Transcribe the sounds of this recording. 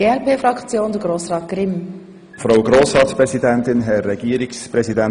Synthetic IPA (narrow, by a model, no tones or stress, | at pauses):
eɛʁpeːfɾɑkt͡sjoːndəɡɾoːsʁɑːt̪̚ɡ̥ɾɪm | fɾaʊɡɾoːsɾɑːt̪spɾɛsidɛnt̪ɪnɦɛːɛɡiːəɾɪkspɾɛzidɛn